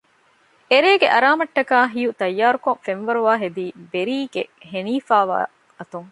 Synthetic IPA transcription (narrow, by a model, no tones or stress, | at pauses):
eɾeːɡeʔɐɾaːmɐʈːɐkaːɦijut̪ɐjːaːɾukoŋfenʋɐɾuʋaːɦed̪iːbeɾiːɡeɦeniːfaːʋa̰ː | ɐt̪uŋ